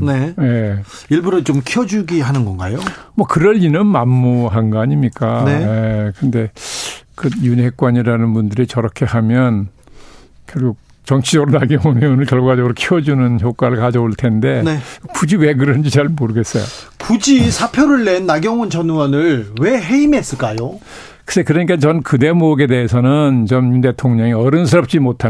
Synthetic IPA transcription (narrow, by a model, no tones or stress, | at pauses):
neje | iɭbuɾɯt͡ɕomkʰiʌd͡ʑuɡiɦanɯnɡʌnɡa̰jomwʌkɯɾʌʎinɯnmamːuɦanɡʌaɲimɲik͈aneekɯnde̞kɯjunɦe̞k̚k͈waɲiɾanɯnbundɯɾit͡ɕʌɾʌkʰe̞hamjʌn | kjʌɭɡuk̚ | t͡ɕʌŋt͡ɕʰid͡ʑʌɡɯɾonaɡjʌŋumʌonɯɭkjʌɭɡwad͡ʑʌɡuɾokʰiwʌd͡ʑunɯnçjok͈aɾɯɭkad͡ʑʌuɭtʰe̞nde̞nkud͡ʑiwe̞ɡɯɾʌnd͡ʑit͡ɕaɭmoɾɯɡe̞s͈ʌjo̰ | kud͡ʑisʰapʰjʌɾɯɭːe̞nːaɡjʌŋunt͡ɕʌnwʌnɯɭwe̞ɦeimes͈ɯɭk͈ajo | kɯsekɯɾʌɲik͈at͡ɕʌnnkɯde̞moɡe̞deɦːsʰʌnɯnt͡ɕʌmjunde̞tʰoŋɲʌŋiʌɾɯns̬ʰɯɾʌp̚t͡ɕ͈imotʰa